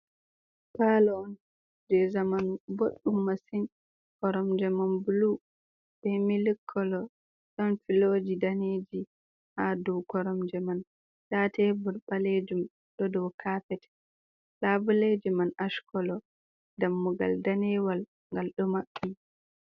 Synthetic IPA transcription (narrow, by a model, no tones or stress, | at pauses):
palɔːn | d͡ʒɛzamanuboɗːumːasin | kɔɾɔmd͡ʒɛmanbulu | b̥ɛmilikʰːɔlɔ | ɗɔnfiloːd͡ʒidaneːd͡ʒi | haduwkɔɾɔmd͡ʒɛman | ɗatɛbuɾɓaled͡ʒum | ɗɔdɔwkʰaːfɛtɛ̥ | labuled͡ʒɛmanaʃkɔlɔ | damːɔɡa̰ldanɛwal | ŋɡalɗɔmaɓːi